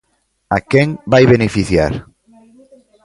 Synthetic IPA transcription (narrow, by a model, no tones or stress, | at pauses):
akɛŋbajβenefiθja̰ɾ